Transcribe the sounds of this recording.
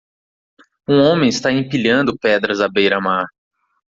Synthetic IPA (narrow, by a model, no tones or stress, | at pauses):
ũõmẽj̃ɪst̪aĩpiʎɐ̃nd̪ʊpɛd̪ɾɐzɐbejɾɐmaɾ